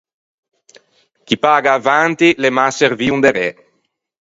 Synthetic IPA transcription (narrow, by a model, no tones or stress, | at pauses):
k̟ipaːɡaːvant̪ilemaseɾviːund̪eɾe